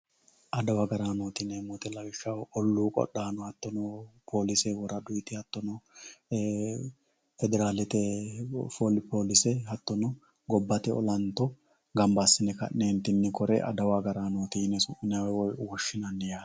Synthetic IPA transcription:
ʔɐd̪ɐwɐɡɐɾaːnoːt̪ɪnemʊt̪ɛlɐɡɪʃːɐwɔlːuːkʼɔ̰ɗːaːnɔhɐt̪ːɔnɔpʰoːlɪsɛwɔɾɐd̪ʊjt̪ɪhɐt̪ːɔnɔ | fɛd̪ɛɾaːlɛt̪ɛfolɪpoːlɪsɛhɐt̪ːɔnɔ | ɡɔbːɐt̪ɛɔ̰lɐnt̪ːɔ | ɡɐmbasːɪnɛkɐ̰nnːeːnt̪ɪnːɪkɔɾɛ̰ʔɐ̰d̪ɐwaɡɐɾaːnoːt̪inːɛsʊʔːɪnawɛwɔjʊwɔʃːɪnɐnːɛjaː

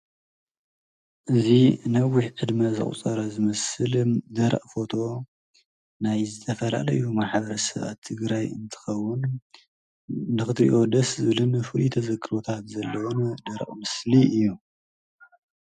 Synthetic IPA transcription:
ʔɨzinɐwiħʕɨd̪mɐzɨ̰χʼt͡sʼɐɾɐzɨmɐsɨld̪ɐɾɐ̰ʔʼfo̞t̪ʰo̞ | najzɨt̪ʰɐfɐla̰lɐ̰jumaħbɐɾɐsɐβa̰t̪ʰːɨɡɾajɨ̰nt̪ʰɨ̥xɐwːʊn | ɨxɨt̪ɾḭʔo̞d̪ɐszɨβɨlɨnfɨlut̪ʰɐzɐɡɨɾot̪ʰat̪zɐlːɐwond̪ɐɾɐ̰ʔʼmɨsliʔɨjːu

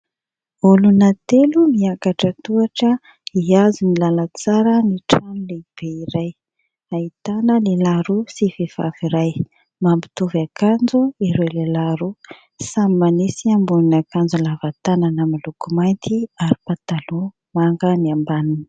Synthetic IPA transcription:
ulunat̪elumiakaʈ͡ʂət̪uaʈ͡ʂə | iazunilalət͡saɾəniʈ͡ʂanuleb̥eiɾaj | ait̪anəlelaɾusifev̥a̰viɾaj | mambi̥t̪uvakand͡zuiɾelelaɾu | samimanisiambuninakand͡zulavat̪ananəmalukumajnt̪ʰiaɾipat̪alo | maŋɡəniambanini̥

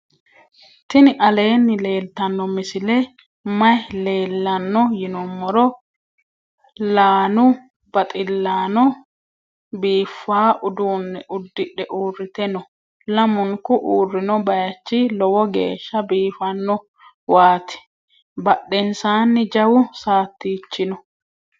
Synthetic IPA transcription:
t̪ɪnɪʔɐle̞ːnːɪle̞ːlt̪ɐnːɔmɪsɪlɛ | mɐjle̞ːlːɐnːɔjɪnɔmːɔɾɔ | laːnʊ | b̥ɐt̪ʼɪlːaːnɔ | biːfːaːʔʊd̪uːnːɛʔʊd̪ːɪɗɛʔuːrːɪt̪ɛnɔ | lɐmʊŋkʊʔuːrːɪnɔbɐjɐt͡ʃːɪlɔwɔɡḛːʃːɐbiːfɐnːɔ | waːt̪ɛ̥ | bɐɗːɛnsaːnːɪd͡ʒɐwʊsaːt̪ːiːt͡ʃːɪnɔ

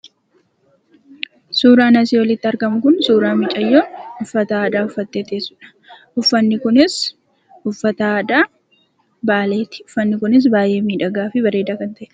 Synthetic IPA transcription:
suːɾaːnɐsiːwɔlɪt̪ːɪɐɾɡɐmʊkʊnsuːɾaːmɪt͡ʃʼɐjːoʊfːɐt̪ɐaːd̪aːʊfːɐt̪ːe̞ːt̪e̞ːsʊ̥ᶑɐ̥ | ʔʊfːɐnːɪkʊnɪs | ʊfːɐt̪ɐːd̪aː | baːleːt̪ɪ̥ʊfːɐnːɪkʊnɪs̬baːje̞ːmiːᶑɐɡaːfɪbɐɾe̞ːd̪aːkɐnt̪ɐʔ

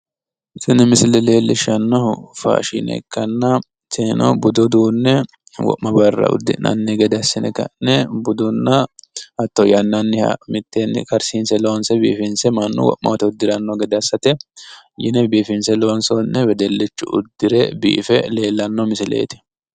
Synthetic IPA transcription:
sɪnɛmɪsɪlɛleːlːɪʃɐnːɔʊfa̰ːʃḭnɛ̰kːɐnːɐ | t̪ʰenɔ̰bʊd̪ʊd̪uːnːɛ | wɔ̰ʔmɐbɐrːɐ̰ʊ̰d̪ːɪnɐ̰nːɛɡɛd̪ɛɐsːɪnɛkɐ̰nːɛbʊd̪ʊnːɐɐt̪ːɔjɐnːɐnːɪ̰mɪt̪ːenːkɐɾsiːnsɛlo̞ːnsɛbḭːfɪnsɛmɐnːʊ̰wɔ̰ʔmɐ̰wt̪ɛʊd̪ːɪɾɐnːɔɡɛd̪ɪɐsːɐt̪ɛjɪnɛbiːfɪnsɛloːnsɔnːɛwɛd̪ɛlːɪt͡ʃːʊʔʊ̰d̪ːɪɾɛbḭːfɛle̞ːlːɐnːɔmɪsɪlḛːt̪ɪ̥

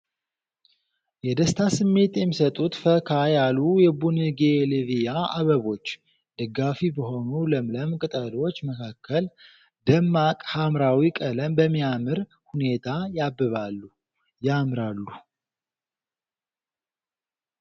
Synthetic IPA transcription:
jɛd̪əst̪ʰasɨmːe̞t̪jɛmːisət̪ʼut̪fəkʰajalujɛbunɨɡelɨvijaʔaβəβo̞t͡ʃː | d̪̥əɡːafibəɦo̞nuləmləmkʼɨt̪ʼəlo̞t͡ʃːməkʰakːəl | d̪əmːakʼhamɾawikʼələmbəmːijamɨɾ | hune̞t̪ʰajabːɨβalːu | jamɾalːu

